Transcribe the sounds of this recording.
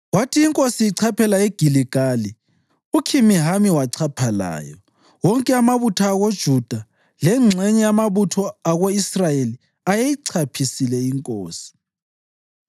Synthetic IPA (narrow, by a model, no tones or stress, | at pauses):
watʰiːŋkʼosijiǀʰapʰɛlaeɡ̥ʱiliɡ̥ʱali | ukʰimiɦamiwaǀʰapʰala̰ːjɔ | wɔŋkʼɛamaβutʰaːɣod̥ʒ̥ʱud̥ʱa | lɛŋ͡ǀʱɛɲɛjamaβutʰɔaɣoisrajeli | ajejiǀʰapʰisilɛiŋkʼoːsi̥